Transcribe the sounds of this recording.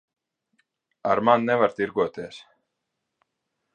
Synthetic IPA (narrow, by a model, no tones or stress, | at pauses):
aɾmanːɛvaɾ̥t̪iɾkɔt̪ɛɾ̥